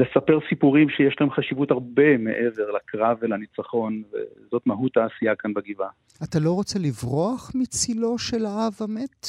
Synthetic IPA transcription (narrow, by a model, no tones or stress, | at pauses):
lesape̞ʁsipuʁimʃejeʃlahemχaʃivutaʁbe̞me̞̰ʔeve̞ʁlakʁavelanit͡saχo̞nvḛzo̞tmaɦut̪ːaːsijakanbaɡiva | at̪alo̞ʁo̞t͡se̞livʁoaχmit͡silo̞ʃelaavhamet̪